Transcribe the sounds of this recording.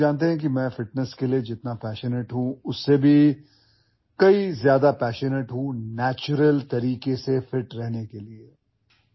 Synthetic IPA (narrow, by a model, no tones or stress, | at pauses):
aːnt̪eɦɛ̃k̬imɛ̃ːfɪʈnəskelied͡ʒɪt̪napɛːʃəneʈɦũʊsːebʱi | kɐizjaːd̪apɛːʃəneʈɦũnɛːt͡ʃʊɾəlt̪ɐɾiːkesefɪʈɾɛɦnekelie